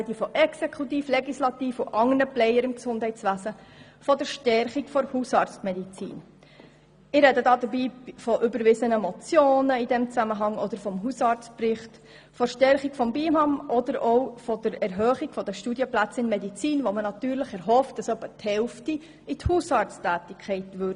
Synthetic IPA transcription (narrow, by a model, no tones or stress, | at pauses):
ɛdifɔʔɛksekʰutiːfleɡislɑt̪iːfʊʔɑŋənəplɛjəɾɪmksʊnd̥hɛɪt͡sʋæzə | fɔd̥əɾʃtɛɾχikfɔɾhusɑːɾt͡sstmɛdit͡sḭːn | ɪɾɛdədɑːd̪əɾbiːfɔʔʏbəɾʋɪzənəmɔt͡sjoːnəidɛmt͡sæməɦɑŋɔd̥̪əɾfɔmɦusɑːɾt͡spɾɪχt | fɔʃtɛɾχikfɔmbiːmɑmɔd̪əɾɔʊfɔd̥əɾɛɾɦœːχiɡ̥fɔd̥əʃtuːdjəplæt͡sɪnmɛdit͡siːnʋomənɑtyːɾləχɛɾɦɔft̚d̥ɑsœpːəthɛlfti | ithuːsɑɾt͡stæːtɪkʰɛɪtʋʏɾd